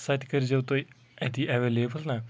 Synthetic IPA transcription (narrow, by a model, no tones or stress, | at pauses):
sat̪kəɾid͡ʑeʋt̪o | ɛt̪iʔɛʋelebəlna